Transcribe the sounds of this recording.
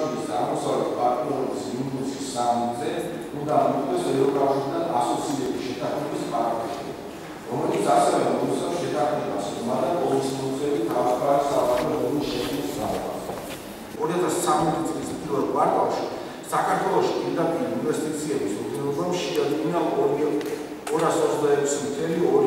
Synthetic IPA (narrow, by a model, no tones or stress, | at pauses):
iɾisaʁmɔsavlɛt̪ʰpʼaɾt̪ʼniɔɾɔbisiunɛsʰisːamit̪zɛ | und̪amɔt̪ʼɛsɛvɾɔkʼafʃiɾid̪ʰanasɔt̪sʰiɾɛbisʃɛt̪ʰaχmɛbispʼaɾkɛʃi | ɾɔmɛlit̪sʰasɛvɛmɔt̪sʼɛfsʃɛt̪ʰaχmɛba̰smad̪akʼɔlismɔzʼɛlit̪ʰavsk̪asaaɛlɔɾiʃɛsnisdauba̰ | ɔɾiat̪ʰast̪sʰamɛt̪ʰit̪sʼlismpʼiɾvɛlˠvaɾkʼafʃi̥ | sakʰaɾt̪ʰwɛlˠɔʃipʼiɾd̪apʼiɾiinvɛst̪ʼit̪sʰiɛbisɔd̪nɛlɔbamʃiadiinaɔɾi | ɔɾasɔzd̪aɛkʷʰsimt̪ʰɛliɔɾ